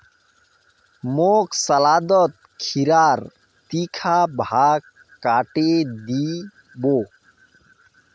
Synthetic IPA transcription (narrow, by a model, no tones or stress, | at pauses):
moksəlad̪ɔt̪̚kʰiɾaɾ | t̪ikʰabʱakː | aʈed̪i | bo